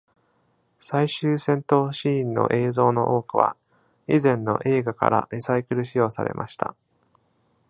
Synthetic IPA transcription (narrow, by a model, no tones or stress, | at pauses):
saiɕɨːsẽ̞nt̪o̞ːɕĩːnːo̞̰ʔe̞ːzo̞ːno̞ʔoːkɯ̟βa̰ | izẽ̞nːo̞̰ʔe̞ːɡaka̰ɾa̰ɾʲisaikɯ̟ɾɯ̟ɕijo̞ːsaɾe̞̰mʔa̰ɕi̥t̪ʰa̰